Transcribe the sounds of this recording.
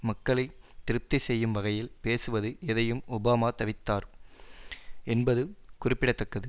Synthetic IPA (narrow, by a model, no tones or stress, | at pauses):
mɐkːɐɭɐɪt̪ːɪɾɯp̚t̪ɐɪsɛjːɯmʋɐɣɐjɪlpeːsɯʋɐðɯɛðɐjɯmʊbaːmaːt̪ɐʋɪt̪ːaːɾ | ɛnbɐðɯkʊrɪpːɪɽɐt̪ːɐkːɐðɯ